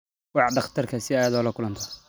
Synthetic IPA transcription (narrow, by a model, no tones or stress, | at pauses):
wɑħɖɑχt̪ʰɐrkʰɐsɪaːjɐðɔːlɐkʰʊlɐnt̪ʰɐ̥